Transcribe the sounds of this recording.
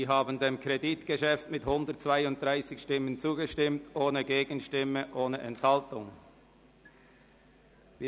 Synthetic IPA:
iːɦaːbən̩deːmkʰʁeditɡ̥əʃɛftmɪthʊndət̚t͡sv̥aɪʊnt̚d̥ʁaɪsɪçʃtɪmːənt͡suːɡəʃtɪmtʔoːnəɡeːɡən̩ʃtɪməʔoːnəʔɛnthɑltʊŋ | viː

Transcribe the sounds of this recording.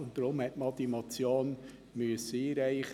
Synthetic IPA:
ʊnt̚d̥ɾʊmhɛtmɑd̪imot͡sjoːn | myəsːəiːɾɛɪχ

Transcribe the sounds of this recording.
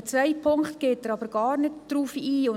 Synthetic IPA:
t͡sʋɛɪpʰʊŋkχt̪ɡ̥eːtəɾɑbəɾɡ̥ɑːrnɪtd̥ruːfiːʊ

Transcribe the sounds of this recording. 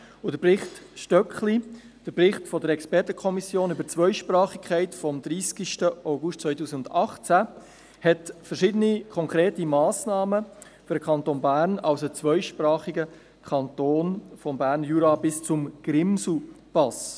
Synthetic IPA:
ʊdəprɪχtʃtœkχli | d̥əɾprɪχtfɔdəɾɛkspɛɾtəkʰɔmisjoːnybəɾt͡sʋœʏʃprɑːχikʰχæɪtfɔmd̪ɾiːskiʃtəʔaʊɡʊʃt̚t͡sʋœʏtuːsiɡʊndɑχt͡sæ | hɛtfəɾʃɪdənikʰɔŋkɾeːtimɑːsnɑːmə | fyɾdəkʰɑnt̪onbæːɾnɑlsət͡sʋœʏʃpɾɑːχiɡə | kʰɑnt̪oːnfɔmbæːɾnjuːɾɑbɪst͡sʊmɡ̥ɾɪmsl̩pɑs

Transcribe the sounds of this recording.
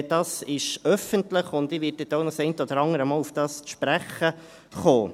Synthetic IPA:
d̥ɑːsɪʃœfəntləχʊnd̪ɪːʋɪtːɛtːoʊnɑsɛɪntəɔd̪əɾɑŋəɾəmɑːlufd̥ɑːsʃpɾæχə | χoː

